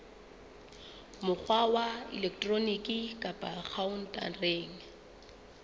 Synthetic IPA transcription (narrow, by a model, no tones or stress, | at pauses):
mʊk͡xʰwawaɪ̰lɛkʰtʼronikʼɪkʼapʼak͡xʰaʊn̩tʼa̰reːŋ̩